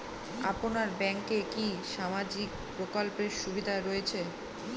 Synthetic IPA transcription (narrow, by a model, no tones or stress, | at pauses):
a̰ponaɾbɛŋkekiʃamad͡ʑik̚ | pɾokolpeɾʃubid̪ʱaɾɔjet͡ɕʰe